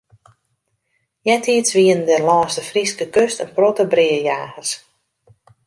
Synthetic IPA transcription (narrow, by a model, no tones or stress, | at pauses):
jɛtʰiəsʋiəndəlɔːstəfriskəkøstənprotəbriəjaːɣəs